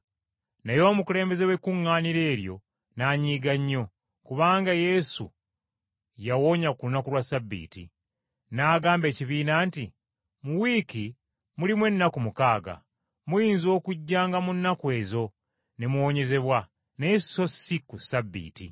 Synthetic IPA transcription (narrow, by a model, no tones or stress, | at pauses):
nejo̞ːmukule̞ːmbe̞ze̞we̞kuŋːaːniɾe̞ːɾjo̞̰ | naːɲiːɡaɲːo̞ | kuβaːŋɡaje̞sṵ | jawo̞ɲakunakulwasabːḭːtḭ | naːɡaːmbe̞ːciβiːnaːnti | muwiːki | mulimwe̞nːakumukaːɡa̰ | mujiːnzo̞ːkuɟːaːŋɡamunːakwe̞ːzo̞ | ne̞muwoɲe̞ze̞βwa | neso̞sikusabːḭːtḭ